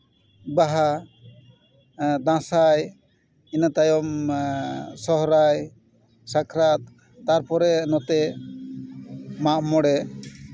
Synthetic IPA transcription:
baɦa | d̪ãsaj | inat̪ajɔm | sɔɦɾaj | sakʰɾat̪̚ː | aɾpɔɾɛnɔt̪ɛ | maʔmɔɽɛ

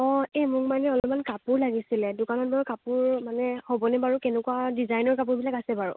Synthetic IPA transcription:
ɔɛmʊkmanɛɔlɔmankapuɹlaɡisilɛdʊkanɔt̚baɹkapʊɹmanɛhɔbɔnɛbaɹukɛnɛkuadizajnɔɹkap̬ʊɹbilakasɛbaɹṵ

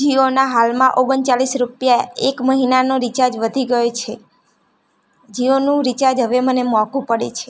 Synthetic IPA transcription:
d͡ʒionaɦalmãʔoɡənt͡ʃalisɾupjaekməɦinanoɾit͡ʃaɾd͡ʒʋəd̪ʱiɡəjot͡ʃʰe | d͡ʒionũɾit͡ʃaɾd͡ʒɦəʋemənemɔkũpəɽḛt͡ʃʰe̥

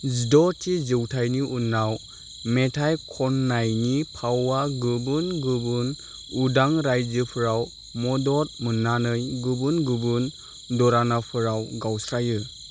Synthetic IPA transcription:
zidɔtʰizɯwtʰajniʔunːaw | metʰajkʰɔnːajnipʰawaɡɯbunɡubun | udaŋɾajd͡ʒɯpʰɯɾaw | mɔdɔɾmɯnːanɯjɡubunɡubɯn | dɔɾanapʰɯɾawɡawsɾajɯ

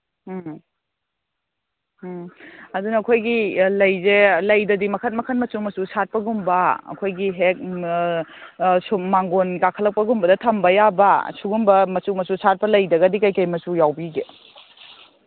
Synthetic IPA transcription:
ɐdunɐɐkʰojɡilɐjzelɐjdɐdimɐkʰɐt̚mɐkʰɐn̚mɐsumɐsusat̚pɐɡumbɐɐ̰kʰojɡiɦek̚ | sumaŋɡonkakʰɐlɐk̚pɐɡumbɐdɐtʰɐmbɐjabɐ̰suɡumbɐmɐsumɐsusat̚pɐlɐjdɐɡɐdikajkɐjmɐsujawbiɡe

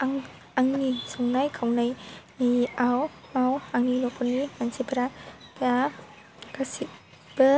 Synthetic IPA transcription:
aŋ | aŋnisɔŋnajkʰawnajniawmawaŋnilɔkʰɔnimansibɾapa | kasi | b̥ɯ

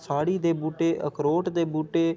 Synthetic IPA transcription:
saːɽiːd̪eːbuːʈeːʔə̰kɾoːʈd̪eːbuːʈeː

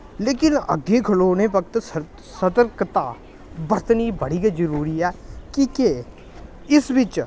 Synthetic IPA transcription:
leːkɪnə̰ɡeːkʰəloːneːpək̚ʰt̪ | sət̪əɾkt̪aː | bəɾt̪niːbəɽiːɡiːd͡ʒəɾuːɾiːɛːkike | ɪsʋɪt͡ʃ

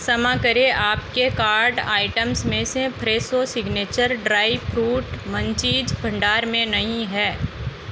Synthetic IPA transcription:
sɐmãkɐɾeʔaːpkekaːɾɖaːɪʈəmsmẽsepɾeːsosɪɡneːt͡ʃəɾɖɾaːipɾuːʈmə̃ɲt͡ʃiːd͡ʒbʱɐ̃ɳɖaːɾmẽnɐɦĩɦɛː

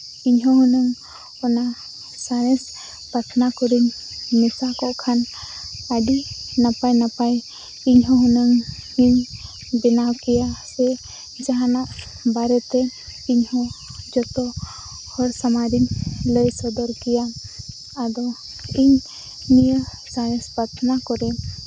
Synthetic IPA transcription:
iɲɦɔɦɔnəŋ | ɔna | sanɛs | pəɾt̪ʰnakɔɾiɲmisakɔʔkʰanaɖinapajnapaj | iɲɦɔɦɔnəŋhiɲ | bɛnawkijasɛ | d͡ʒaɦãnaʔ | baɾɛt̪e | iɲɦɔ̃ | d͡ʒɔt̪ɔ | hɔɾsamaɾiɲləjsɔd̪ɔɾkijaː | d̪ɔ | iɲ | nijə | sanespəɾt̪ʰnakɔɾɛ

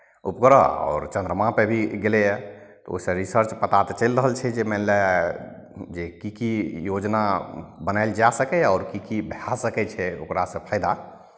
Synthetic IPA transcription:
upkɾaɔ̰ːɾt͡ʃə̃nd̪ɾəmãpebʱiɡelɛjɛ | t̪ɔo̰isẽɾisəɾt͡ʃpət̪at̪et͡ʃəlɾəɦəlt͡ʃʰɛd͡ʒemɛnlɛ | d͡ʒekikijod͡ʒnabənaɪld͡ʒasəkɛɔːɾkikibʱasəkɛt͡ʃʰɛo̰kɾasə̃pʰaɪd̪a

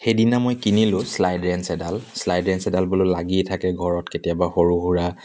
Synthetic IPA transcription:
xejdinamojkinilʊ̃slajdɹɛnsɛdalslajdɹɛnsɛdalbololaɡitʰakɛɡʱɔɹɔtketijabaxoɹuɦuɹa

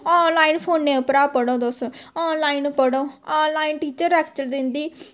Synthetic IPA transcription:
ɔːnlaːinpʰoːnːẽːʊpɾaːpəɽõːd̪osɔːnlaːinpəɽoːɔːnlaːinʈiːt͡ʃəɾːɛːkt͡ʃəld̪ɪnd̪iː

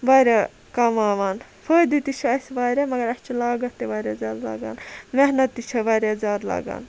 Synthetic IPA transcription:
ʋaːɾʲe | kɐmaːʋaːnfʰəːd̪it̪it͡ʃʰɐɐsʋaːɾʲemɐɡɐɾɐst͡ʃʰilaːɡɐt̪ːeʋaːɾʲeːzaːɾla̰ːɡa̰ːnmehnɐt̪ːit͡ʃʰɐʋaːɾʲeːzaːd̪la̰ːɡa̰ːn

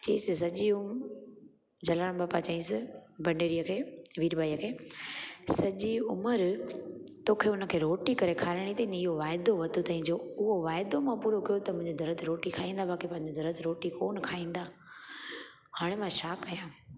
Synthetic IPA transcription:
t͡ɕɐĩsɪsɐʄium | d͡ʑɐlaːɽ̃baːpat͡ɕɐːĩsɪbɐɳɖeːɾijəkʰeːʋiːɾbaːijəkʰeː | sɐʄiʊməɾ | t̪oːkʰeːʊnə̆kʰeːɾoːʈikɐɾekʰaːɾɪɽ̃it̪eĩneɪɦoʋaːɪd̪oʋɐt̪ot̪ɐɦĩɲd͡ʑoʊɦoʋaːɪd̪omãpuːɾokijot̪ɐmʊ̃ɦɪ̃ɲd͡ʑod̪ʱɐɾət̪ʰɾoːʈikʰaːĩːn̆d̪abaːkipãɦɪ̃ɲd͡ʑod̪ʱɐɾət̪ʰɾoːʈikoːnkʰaːĩːn̆d̪aː | haːɽ̃emãʃaːkːɐjãː

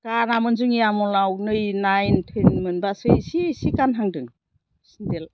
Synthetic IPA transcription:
kanamɯnzɯŋiamɔlawnɯjnajntʰɯnmɯnbasɯjsisikanɦaŋdɯŋ | sindel

